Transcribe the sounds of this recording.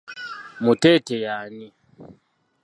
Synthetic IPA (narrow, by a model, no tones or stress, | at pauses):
mutɛtɛjaːni